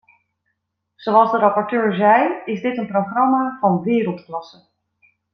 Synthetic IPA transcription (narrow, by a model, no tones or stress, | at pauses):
z̥owɑlˠzdəɾɑpɔɹtøːɹzɛjɪzdɪtənprowχrɑmaːvɑnʋɪːɾəlˠtklɑsə